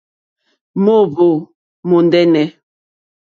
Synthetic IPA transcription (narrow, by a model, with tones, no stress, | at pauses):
mo˦˨bo˨ | mo˨ndɛ˦nɛ˨